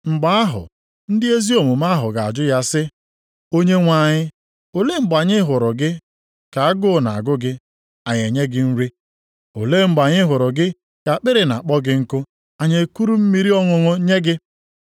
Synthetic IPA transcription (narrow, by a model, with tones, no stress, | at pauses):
ŋ͡m̩˨ɡ͡ba˦a˦ɦʊ̰˨ | n̩˦dɪ˦e˦zi˦o˨mʊ˨ma˦ɦʊ̰˨ɡa˨a̰˨d͡ʒʊ˦ja˦sɪ˦ | o˦ɲe˦ŋʷa˨ɲɪ˦ | o˨le˦ŋ͡m̩˦˨ɡ͡ba˨ɲɪ˦ɦʊ˨ɾʊ˨ɡɪ˦ | ka˨a˦ɡʊ˦˨na̰˨a̰˨ɡʊ˦ɡɪ˦ | a˨ɲe˨ɲe˦ɡɪ˦n̩˦ɾi˦ | o˨le˦m̩˦ɡ͡ba˨ɲɪ˦ɦʊ˨ɾʊ˨ɡɪ˦ | ka˨k͡pɪ˦ɾɪ˨na̰˨a˨k͡pɔ˦ɡɪ˦ŋ̩˦kʊ˦ | a˨ɲe˨ku˦ɾu˦m̩˦mi˦ɾi˦ɔ˦ŋʊ˦ŋʊ˦ɲe˦ɡɪ˦